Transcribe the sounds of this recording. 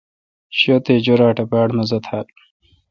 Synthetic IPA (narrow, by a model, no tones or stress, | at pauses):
ɕot̪eːd͡ʑoɾaːʈɐpaːɽmɐzɐt̪ʰaːl